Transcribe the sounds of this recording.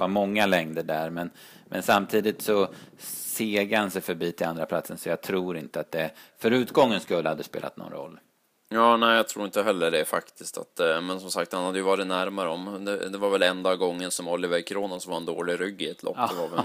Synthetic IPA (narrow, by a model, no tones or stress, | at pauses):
amɔŋːalɛŋd̪əɖæɾmɛn | mʔɛnsamt̪ʰiːd̪ɪt̪sɔseːɡəɾhansɛjfœɾbiːt̪ʰɪland̪ɾapʰlat̪sənsɔjɑːɡt̪ʰɾuːɾɪnt̪əat̪̚d̪ɛfœɾʉ̟ːt̪ɡɔŋːənskɵlːhad̪ːɛspḛːla̰t̪nɔ̰nɾɔ̰lː | jɑːnɛːjɑt̪ʰɾuːɾɪnt̪əɦɛlːəɖɛfakt̪ʰɪskt̪ʰa̰t̪mɛnsɔmsak̚t̪hanhad̪ːəjʏvɑːɾɪt̪næɾmaɾəɔmd̪ɛd̪ɛvaɾvɛlɛnd̪ɑːɡɔŋːənsɔmɔlːɪvəɾkʰɾuːnansɔmvaɾɛnd̪oːlɪɾʏɡːɪɛt̪lɔ̰pːvav